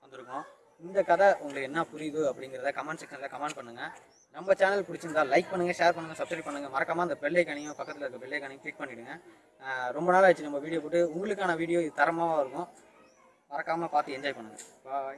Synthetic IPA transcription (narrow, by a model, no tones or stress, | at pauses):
ʋɐnd̪ɯɾɯkːʊ̃ | ɪnd̪ɐkɐðɐʊŋɡɐɭɯkːɛnːapʊɾɪʋɯɐpːɐɽɪŋɡɪɾɐðɯkɐmɛɳɖʈsɛkːɐnlakɐmɐɳɖ̚pɐɳːɯŋɡɐ | nɐmbɐt͡ʃaːnɐlpʊɽɪt͡ʃːɯnd̪aːlɐɪk̚pɐɳːɯŋɡɐʂeːɾpɐɳːɯŋɡɐsɐb̚sɾɐpɐɳːɯŋɡɐmɐɾɐkːaːmaːɪnd̪ɐpɛɭːɛkɐɳɐjʊ̃pɐkːɐt̪ːɪlɐɪɾɯkːɐpɛɭːɛkɐɳɪjʊ̃klɪk̚pɐɳːɪɽɯŋɡɐ | ɾɔmbɐnaːlːɐt͡ʃːɯnɐmbɐʋiːɽɪjoːp̬oːʈːɯʊŋɡɐɭɯkːaːnɐʋiːɽɪjoːɪðɯt̪ɐɾɐmaːʋaːɪɾɯkːʊ̃ | mɐɾɐkːaːmaːpaːɾt̪ɯɛɲd͡ʒaːjpɐɳːɯŋɡɐ̰